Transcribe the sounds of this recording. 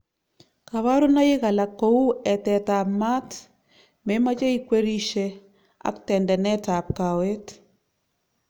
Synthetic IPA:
ka˨wa˦ɾo˦na˦jɪ˦ɣa˨la˨ko˦u˦ɛ˨tɛ˨ta˨pma˦t | mɛ˦ma˦t͡ʃa˦i˦kwe˦ɾi˦ʃe˦ | a̰˦ktɛ˨ndɛ˨nɛ˦ta˨p̚ka˨we˦t

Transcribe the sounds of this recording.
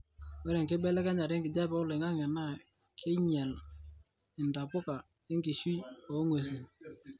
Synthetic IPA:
wɛ˦ɾɛ˨ŋkɪ˦bɛ˦lɛ˦ka˦ɲa˨ɾɪ˦ŋkɪ˨d͡ʒa˦pʊ˦lɪ˨ŋa˦ŋɛ˨na˦ | kʰɪ˦ɲɛ˨l | ɪ˨n˨ta˨pʊ˦ka˨ | ɪ˦ŋkɪ˨ʃwi˦o˨˦ŋo˨s̬i˨

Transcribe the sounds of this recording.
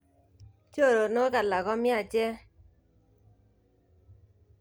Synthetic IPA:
t͡ʃo˦˨ɾo˨no˦ka˨la˨ɡɔ˦mɪ˦a˦˨t͡ʃɛ˦

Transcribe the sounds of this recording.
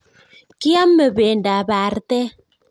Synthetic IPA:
ki˦a˦mːə˨beː˨nda˨ba˨ɾtɛ˦

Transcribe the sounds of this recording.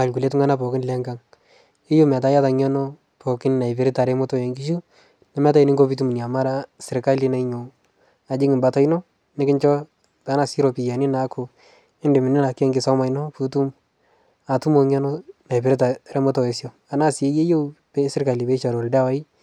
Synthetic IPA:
a˨lku˨le˦t̬u˦ŋa˦na˦pɔ˨kɪ˦nlɛ˦ŋɡa˨˦ŋ | ɪ˦jo˦m˨a˨ta˦ja˦ta˨ɲɔ˦nɔ˦ | pɔ˨kɪ˦nna˨ɪ˨pɪ˨ɾɪ˦ta˨ɾɛ˦mʊ˦tɔ˦je˨ŋɡi˦ʃu˦ | na˨mɛ˦ta˦i˦nɪ˦ŋɡo˦pi˦tu˦m˨ni˨a˨ma˦ɾa˦sɪ˨ɾka˦li˦na˨iɲo˨ | a˨d͡ʒɪ˦ŋɪ˨mba˨ta˦jnɔ˦ | nɪ˦kɪ˦nt͡ʃɔ˦ | ta˨˦na˨si˦ɾɔ˨pi˨ja˨nɪ˦na˨kʰʊ˨ | ɪ˦ndɪ˨mɪ˨nɪ˦na˨kɛ˦ŋɡɪ˨sa˦ma˨jnɔ˦pu˦tu˦m | a˨tu˦mo˨˧ɲɔ˦nɔ˦na˨jpɪ˨ɾɪta˨ɾɛ˦mʊ˦tɔ˦˨e˨sjɔ˨ | a˨na˦sɪ˨e˦je˦jo˦pe˦sɪ˦ɾka˨li˨pe˦ʃa˨ɾɔ˨lda˦wa˨˦i˦

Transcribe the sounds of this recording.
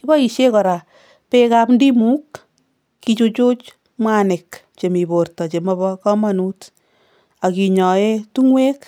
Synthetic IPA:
i˦bɔ˦i˨ʃe˦kɔ˨ɾa˨ | pe˦ka˦pndi˦mu˦kː | it͡ʃu˧t͡ʃo˦t͡ʃ | mwa˦nɪ˨k | t͡ʃe˨mi˨bo˨rtɔ˨t͡ʃe˨mɔ˧βɔ˦kɔ˦ma˦nu˦t | a˨ki˨ɲɔ˨e˦tu˦ŋwe˦k

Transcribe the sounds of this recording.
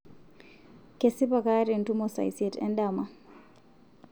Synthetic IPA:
kesi˦pa˨kaːɾi˨ntumɔsa̰˨jsɛ˨tɛ̰ndama˨

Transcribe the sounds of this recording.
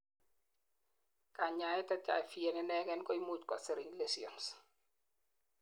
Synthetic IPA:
ka˨ɲa˨jɛ˦tɛ˦t͡ʃa̰˨jfie˨nɛnɛ˦ɡɛ˦nkɔ˦i˦mut͡ʃkwa̰se˨ɾi˨ŋlesiɔns

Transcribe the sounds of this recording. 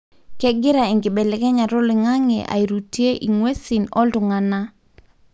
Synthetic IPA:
kɛ˦ɡɪ˦ɾa˨i˨ŋɡi˨bɛ˨lɛ˨kɛ˦ɲa˨ɾʊ˦li˨ŋa˦ŋḛ˨ʔa̰˨i˨ɾu˨ti˦e˦ʔi˨ŋwe˦si˨nɔ˦ltu˨ŋa˨na˦

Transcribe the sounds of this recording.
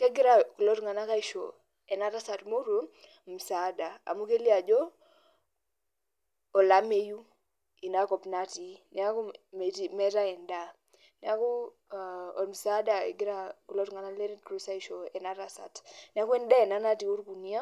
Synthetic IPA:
ke˦ɡɪ˦ɾa˨ku˨lɔ˦tŋa˨na˦ka˦i˦ʃɔ̰˨ | ɛ˨na˦ɾa˦sa˨tmo˦ɾu˦ | m̩˨sa˨˦da˨a̰˨mu˦ke˦li˦a˨d͡ʒɔ˦˨ | la˨˦me˦ju˦ | i˨na˦kɔ˨pna˦ti˨˦ni˨a˦ku˦m˨ti˨mɛ˦ta˦ɛ˨nda˦ | ni˨a˦ku˦ | ɔ̰˨m̩˨sa˦da˨ḛ˨ɡɪ˦ɾa˦ku˨lɔ˦tŋa˨na˦le˦ɾi˦kɾu˦sa˦i˨ʃɔ˨ɛ˨na˦ɾa˨sa̰˨tni˨a˦ku˦ɛ˦nda˦ɛ˨na˦na˦ti˨u˦ɾku˨ni˦a˦

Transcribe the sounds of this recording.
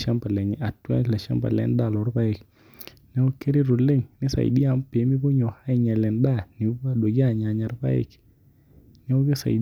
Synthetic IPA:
ʃa˦mpa˨lɛ˨ŋ˨a˨twa̰˦la˨ʃa̰˦mba̰˨lɛ̰˨˦nda˦˨lɔ˨˦ɾpa˦ɪ˨k | nɛ˦o˦ke˦ɾi˦ɾu˨le˦ŋnɪ˦sa̰˨ɪ̰˨di˦a˦mpi˨˦mi˦bo˦ɲɔ˨ha˦ɪ˨ɲɛ˨lɛ˨nda˦ni˨˦ba˦dwo˨ɡa˦˨ɲa˨ɲa˨ɾpa̰˦ɪ̰˦˨k | nɛ˦o˦ɡe˦sa̰˨i

